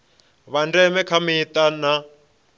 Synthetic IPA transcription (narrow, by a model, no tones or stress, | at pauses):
βandɛmɛkʰamit̪ana